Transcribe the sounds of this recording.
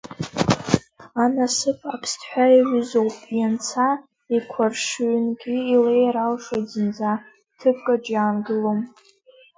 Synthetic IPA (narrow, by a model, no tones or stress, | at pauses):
anasɨpʰapʰstʰħʷᶣaiʕʷʊzo̞wpʼjant͡sʰa | ikʷʰarʂʕnɡʲiilejɾalʂod͡zɨnd͡za | tʰɨp̚ʰʼkʼaʈ͡ʂʼjaːnɡɨlom